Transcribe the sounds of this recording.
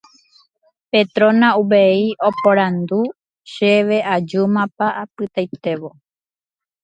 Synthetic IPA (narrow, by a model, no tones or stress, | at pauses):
pet̪ɾõ̞nãuβeio̞poɾãnd̪u | ʃeʋe̞ʔad͡ʒumãpaʔapɨt̪ajt̪e̞ʋo̞